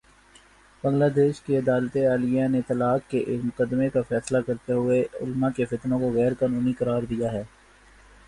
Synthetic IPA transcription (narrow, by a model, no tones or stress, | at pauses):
bɐ̃ŋlaːd̪eːʃkeɐd̪aːlt̪eaːlijãnet̪ɐlaːkkːeʔmʊkəd̪ːmekafɛːslakɐɾt̪eɦʊeʊ̰lmãkefɪt̪nõkoɣɛːɾkaːnuːnikɐɾaːɾd̪ijaɦɛː